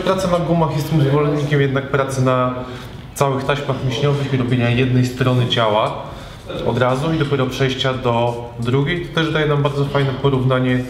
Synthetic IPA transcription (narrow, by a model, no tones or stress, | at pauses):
pɾat̪sanaɡumaxjɛst̪ːɘmzvɔlɛnɲikʲɛmjɛd̪nak̚pɾat̪sɘna | t̪sawɘxt̪aɕmaxmʲeɕɲɔvɘxiɾɔbʲjeɲajɛd̪nɛjst̪ɾɔnɘt͡ɕawa | ɔd̪ɾazuid̪ɔpʲjɛɾɔpʂɛjɕt͡ɕad̪ɔ | d̪ɾuɡʲejt̪ɔ̥t̪ɛʐd̪ajɛnambaɾd̪zɔfajnɛpɔɾuvnaɲɛ